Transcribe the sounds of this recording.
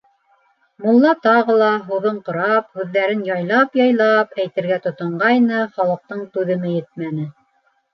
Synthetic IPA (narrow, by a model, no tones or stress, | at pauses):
mŭlˠːɑt̪ɑʁɤlˠɑɦuðɤɴqŏɾɑphʉðːæɾɘnjɑjlˠɑpjɑjlˠɑpæjt̪ɘ̆ɾɡæt̪ŏt̪ŏɴɢɑjnɤχɑlˠɤ̆q̚t̪ɤɴt̪ʉðɘ̆mɘjɘt̪̚mænɘ